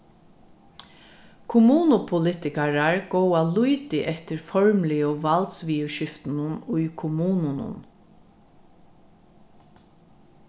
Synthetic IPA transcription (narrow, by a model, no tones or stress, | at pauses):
kʰʊmuːnʊpʰʊlɪt̪ɪkaɹaɹɡ̥owalujt̪ɪʔɛt̪ɪɹfɔɹmlɪoʋalt̪sʋiːʊʃɪft̪ɪnʊnʊjkʰʊmuːnʊnʊ̰n